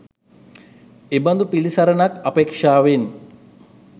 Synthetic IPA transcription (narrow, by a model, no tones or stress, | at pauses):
ebɐnd̪upilisɐɾənakɐpeːkʂaːʋen